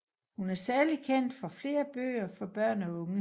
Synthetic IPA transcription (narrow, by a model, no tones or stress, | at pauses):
hunæɐsæɐlikʰen̰d̥fɒ̽fle̝ːɐb̥ø̰ːɐfɒ̽b̥ɶɐ̰nɒɔ̽ŋ